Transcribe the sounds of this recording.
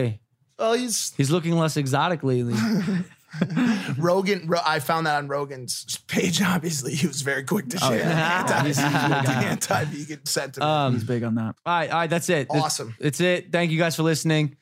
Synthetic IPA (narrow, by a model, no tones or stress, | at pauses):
ɪ | wɛlˠiz̥hizlʊkɪ̃ŋlɛsɨɡzɑɾɨklili | ɹoʊɡɨ̃nɹoʊʔaɪfãʊ̃nðəɾn̩ɹoʊɡɨ̃nz̥pʰeɪd͡ʒɑbviɨsliiwʌzvɛɹikʰw̥ɪk̚tʰɨʃɛɑviɨsiæ̃ntʰaɪ̃mɨɡɛn̩sɛ̃ntʰʌ̃mʌzbɪɡn̩ðæt̚ɹaɪt̚aɪt̚ðætsɪt̚ɨɔsə̃mɨtsɪt̚θæ̃ŋk̬jɨɡaɪz̥fə˞lɪsnɪ̃ŋ